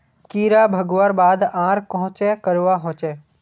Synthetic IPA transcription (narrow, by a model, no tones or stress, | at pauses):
kiːɾabʱɐɡʋaːɾbaːd̪ãːɾkɐɦʊ̃t͡ʃɛkɐɾʋaɦõːt͡ʃɛ